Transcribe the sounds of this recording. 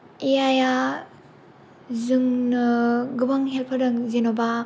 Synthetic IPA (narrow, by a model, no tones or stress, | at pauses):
eaja | zɯŋnɯɡɯbaŋɦelpʰaɾdɯŋzenoba